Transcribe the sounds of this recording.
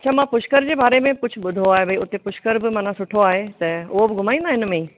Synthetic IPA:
ɐt͡ɕʰamãːpʊʃkəɾd͡ʑeːbaːɾemẽkʊd͡ʑʰʱʊ̆ɓʊd̪ʱoaːɦebʱɐiʊt̪epʊʃkəɾbɪmaːnãsʊʈʰoaːɦet̪ɐʊɦobɪɡʱʊm̤aːĩnd̪aːɦɪnmẽ

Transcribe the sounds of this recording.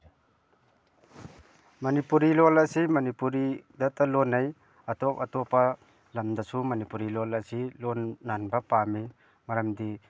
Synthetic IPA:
mɐnipuɾilɔlɐsimɐnipuɾid̪at̪ɐlɔnɐj | ɐt̪ɔpɐt̪ɔpa | lɐmd̪asumɐnipuɾilɔlɐsilɔnːanbapami | mɐɾɐmd̪i

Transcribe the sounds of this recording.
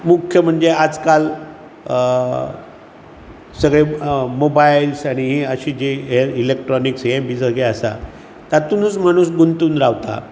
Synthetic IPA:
mukʰjəm̤əɳd͡zead͡zkal | səɡɭemobailsaɽ̃iɦiəɕiːd͡ʑeɦeilek̚ʈɾɔniksɦẽbʱid͡zəɡeəsa̰ | t̪at̪uːnət͡sm̤aɽ̃uːsɡunt̪uːnɾaʋt̪a̰

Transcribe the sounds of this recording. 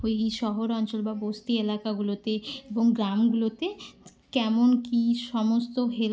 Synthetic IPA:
oeʃɔɦoɾɔnt͡ɕolbabost̪ielakaɡulot̪eeboŋɡɾamɡulot̪e | kɛmonkiʃɔmost̪oɦel

